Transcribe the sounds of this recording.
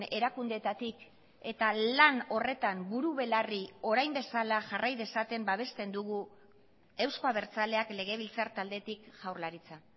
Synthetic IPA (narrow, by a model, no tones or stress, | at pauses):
ne̞ɾakund̪e̞t̪at̪ik | e̞t̪alano̞re̞t̪ambuɾuβe̞lario̞ɾajmbe̞salaʝarajðe̞sat̪e̞mbaβ̞e̞st̪e̞nd̪uɣu | e̞wskoaβ̞e̞ɾt͡sale̞akle̞ɣ̞e̞β̞ilt͡saɾt̪ald̪e̞t̪ikʝawrlaɾit͡sa